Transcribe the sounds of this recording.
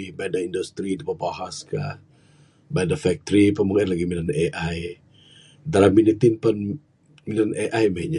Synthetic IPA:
ibadaindust̪ɾidipəbaɦaskah | badafɛk̚t̪ɾipəmuŋɛnlaɡiminaneʔaj | dalaminit̪inpən | minaneʔajmaiɲa

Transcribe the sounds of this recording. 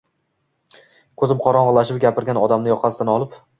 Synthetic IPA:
kʰɵzɪmqʰɒɾɒɴʁɨlˠaʃ̬ɪpɡʲapʰɪɾɡʲanɒd̪amnɪjɒqʰɑsɪd̪anɒlˠɪp

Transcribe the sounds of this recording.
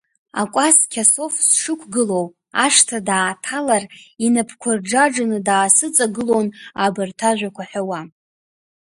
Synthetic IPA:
a̰kʷʼaskʲʰaso̞fsʂɨkʷʰɡɨlo̞w | aʂtʰadaːtʰalarinapʰkʷʰarɖ͡ʐaʈ͡ʂanɨdaːsɨt͡sʼaɡɨlo̞nabɨrtʰaʒᶣʷakʷaħᶣawa

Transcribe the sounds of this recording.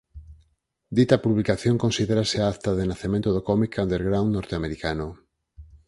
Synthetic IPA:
d̪it̪apuβlikaθjoŋkonsiðeɾaseaat̪aðenaθemẽnt̪oðokɔmikʰand̪eɾɣɾawnnːoɾt̪eameɾikano

